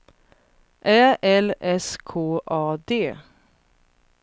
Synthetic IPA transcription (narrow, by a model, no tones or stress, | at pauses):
ʔæːʔɛlɛskʰoːʔɑːd̪eː